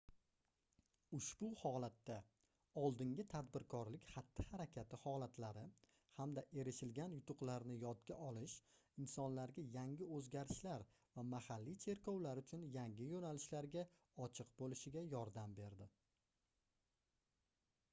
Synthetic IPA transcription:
ʊʃb̥ʊhɒlˠat̪ːa | ɒlˠd̪ɪŋɡʲɪt̪ʰad̪bɪɾkʰɒɾlɪkʲhat̪ːɪhaɾakʲʰat̪ʰɪhɒlˠat̪ʰlaɾɪ | hamd̪aʔe̞ɾɪʃɪlɡʲanjʊt̪ʊqlaɾnɪjɒt̪ɡʲaʔɒlɪʃɪnsɒnlaɾɡʲajaŋɡʲɪɵzɡʲaɾɪʃlaɾ | vamahalːit͡ʃʰe̞ɾkʰɒwlaɾʊt͡ʃʰʊnjaŋɡʲɪjonalɪʃlaɾɡʲa | ɒt͡ʃʰɨqbolɪʃɪɡʲajɒɾd̪ambe̞ɾd̪ɪ

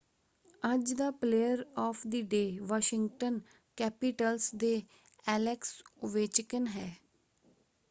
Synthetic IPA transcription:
əd͡ʒd̪aːpleːjəɾɔːpʰd̪iɖeːʋɔːʃɪ̃ŋɡʈən | kɛːpɪʈəlsd̪eː | ɛːlɛksʊʋeːt͡ʃkənɦɛː

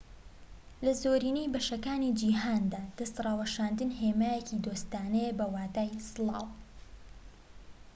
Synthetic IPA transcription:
lɐzoːɾiːnejbɐʃɐkaːnid͡ʒiːɦaːnd̪aːd̪̥ɐst̪rˤɑːwɐʃaːnd̪ɨnɦeːmaːjecid̪oːst̪aːnɛjebɐwaːt̪aːjsɨlˠɑ̰ːw

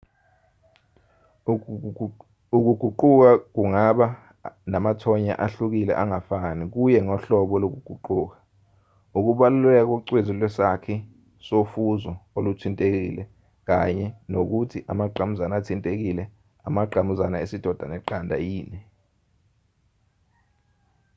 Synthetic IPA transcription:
uk̬uɡ̥ʱuǃuk̬ak̬uŋaɓa | namatʰɔɲa̰ʔaɬuk̬ilɛ̰ʔaŋafanik̬ujɛŋɔɬɔɓɔlok̬uɡ̥ʱuǃuːk̬ḁ | uk̬uɓalulɛk̬ɔǀwezilwɛsakʰɛ | sofuzɔolutʰintʼek̬ḭlɛ | k̬aɲɛnok̬utʰiʔamaǃʱamuzanaatʰintʼek̬ilɛ | amaǃʱamuzanaesid̥ʱɔd̥ʱanɛǃandʱa̰jiːnɛ

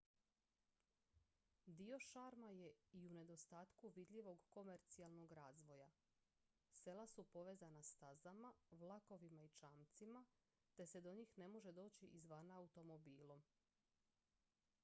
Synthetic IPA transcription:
d̪io̞ʃaːɾmaje̞iune̞d̪o̞st̪aːt̪kuʋid̪ʎiʋo̞ɡko̞me̞ɾt̪sialˠno̞ɡɾaːzʋo̞ja | se̞lˠasupo̞ʋezanast̪azamaʋlˠako̞ʋimait͡ʃaːmt̪sima | t̪e̞se̞d̪o̞ɲiːxne̞mo̞ʒe̞d̪o̞ːt͡ɕiʔizʋanaːut̪o̞mo̞biːlˠom

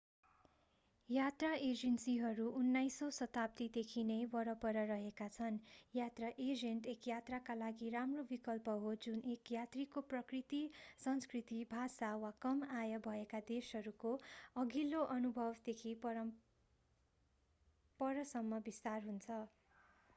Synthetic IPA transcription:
jat̪raʔed͡zensiɦʌɾuʔunːajsosʌt̪ap̚t̪id̪ekʰinebʌɾʌpʌɾʌɾʌɦekat͡sʰʌnjat̪raʔed͡zeɳʈekjat̪rakalaɡiɾamrobikʌlpʌɦod͡zunʔekjat̪rikoprʌkrit̪isʌnskrit̪ibʱasawakʌmajʌbʱʌekad̪esɦʌɾukoʌɡiloʔʌnubʱʌbd̪ekʰipʌʌ | pʌɾʌsʌmːʌbist̪arɦunt͡sʰʌ

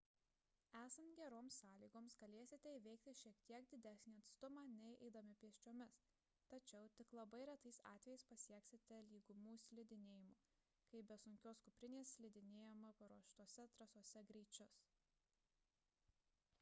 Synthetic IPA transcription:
æːsɐnt̪ɡʲɛɾoːmsːɑːlʲiːɡoːmsɡɐlʲeːsʲɪt̪ʲɛiːʋʲɛɪk̚t̪ʲɪʃʲiɛkt̪ʲiɛkd̪ʲɪd̪ʲæsʲnʲiːɐt̪st̪ʊmɑːnʲɛɪʔɛɪd̪ɐmʲɪpʲiɛʃʲt͡ʃʲoɔmʲɪs | t̪ɐt͡ʃʲɛʊt̪ʲɪklˠɐbɐɪɾʲɛt̪ɐɪsɑ̰ːt̪ʲɛjɛɪspɐsʲiɛksʲɪt̪ʲɛlʲiːɡʊmuːsʲlʲɪd̪ʲɪnʲeːjɪmuː | kɐɪbʲɛsʊŋʲkʲoːskʊpʲɾʲɪnʲeːssʲlʲɪd̪ʲɪnʲeːjomɐpɐɾuɔʃt̪uɔsʲɛt̪ɾɐsuɔsʲɛɡɾʲɛɪt͡ʃʲʊs

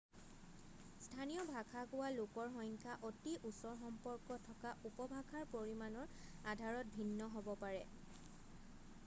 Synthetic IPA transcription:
stʰanijɔbʱakʰakʊwalokɔɹɦɔjŋkʰaʔotiʔusɔɹxɔmpɔɹkɔtʰɔkaʔupɔbʱakʰaɹpoɹimanɔɹadʱaɹɔt̚bʱinːɔɦobɔpaɹɛ

